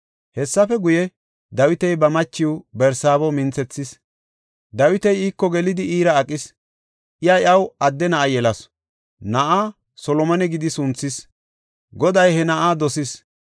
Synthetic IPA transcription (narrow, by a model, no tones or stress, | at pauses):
hɛsːɐfɛɡʊjɛ | d̪ɐwɪt̪ɛjbɐmɐt͡ʃːɪwbɛɾsaːbɔmɪnt͡sɛt͡sːɪs | d̪ɐwɪt̪ɛjiːkːɔɡɛlɪd̪ɪiːɾɐːkʼːɪs | ʔɪjɐjɐwɐd̪ːɛnɐʔajɛlɐs | nɐʔaː | sɔlɔmɐnɛɡɪd̪ɪsʊnt͡sːɪs | ɡɔd̪ɐjhɛnɐʔaːd̪ɔsɪs